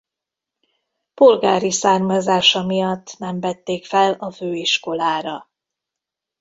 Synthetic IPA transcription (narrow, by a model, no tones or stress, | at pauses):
polɡaːɾisaːrmɒzaːʃɒmijɒt̪ːnɛmvɛt̪ːeːkfɛlɒføːiʃko̞laːɾɒ